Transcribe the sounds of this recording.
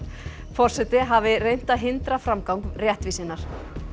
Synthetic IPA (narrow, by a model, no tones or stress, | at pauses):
fɔr̥sɛt̪ɪɦavɪrejn̥t̪aɦɪnt̪ɾafɾamkawŋkrjɛht̪visɪnːaɾ̥